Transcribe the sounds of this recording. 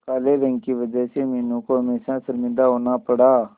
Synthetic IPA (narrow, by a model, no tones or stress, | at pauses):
kaːleːɾə̃ŋɡkiːʋəd͡ʒəseːmeːnũːkoːɦəmeːsãsəɾmɪ̃nd̪aːɦoːnaːpəɽaː